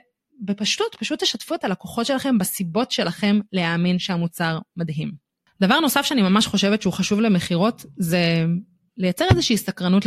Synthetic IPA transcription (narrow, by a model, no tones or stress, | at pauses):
bepaʃtutpaʃut̪ːeʃatfuet̪alakoχo̞tʃe̞laχe̞mbasibo̞tʃe̞laχe̞mleaːminʃeamut͡saʁmadɦim | davaʁno̞safʃeanimamaʃχo̞ʃe̞vetʃeuχaʃuvle̞meχiʁo̞tze̞ | lejat͡se̞ʁezeʃiːsakʁanut